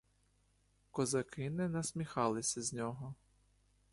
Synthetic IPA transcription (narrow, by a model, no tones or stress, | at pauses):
kɔzɐkɪnɪnɐsʲmʲixɑlˠɪsʲɐzʲnʲɔɦɔ